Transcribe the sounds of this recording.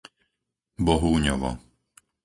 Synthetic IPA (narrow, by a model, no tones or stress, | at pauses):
bɔɦuːɲɔʋɔ̰